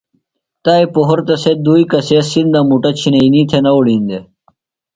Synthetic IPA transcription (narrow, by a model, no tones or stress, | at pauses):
t̪aːipoɦoɾt̪ɐsed̪uːikɐseːsind̪amuʈɐt͡ɕʰinɐinit̪ʰenɐoɽĩːnd̪e